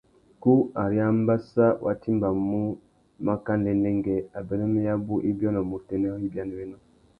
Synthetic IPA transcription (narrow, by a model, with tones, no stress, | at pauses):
ku˦a˨ɾi˦a˦m˦ba˦sa˦wʔa̰˨ti˦mba˨mu˦ | ma˦ka˦n˨dɛ˨nɛ˦ŋɡɛ˨a˨bɛ˨nɛ˦mɛ˦ja˦bu˦ʔi˦bjɔ˦nɔ˨mu˨tɛ˨nɛ˦ɔ˦i˦bja˦ni˨wɛ˦nɔ˦